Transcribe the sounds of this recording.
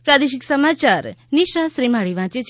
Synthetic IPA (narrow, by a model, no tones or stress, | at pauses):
pɾad̪eʃiksəmat͡ʃaɾniʃasɾimaɭiʋãːt͡ʃet͡ʃʰ